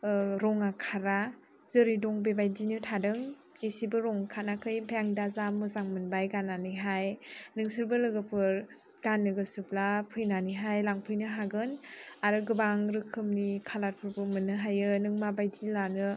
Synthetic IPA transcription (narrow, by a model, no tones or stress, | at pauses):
ɾɔŋakʰaɾa | z̥ɯɾidɔŋbebajdinɯtʰadɯŋ | esibɯɾɔŋkʰanakʰɯjbajaŋdazamɯzaŋmɯnbajɡanːanɯɦajnɯŋsɯɾbɯlɯɡɯpʰɯɾ | ɡ̥anːɯɡɯsɯplapʰɯjnaniɦajlaŋpʰɯjnɯɦaɡɯnaɾɯɡɯbaŋɾɯkʰɯmnikʰalat̚pʰɯɾbɯmɯnɯɦajɯnɯŋmabajdilanɯ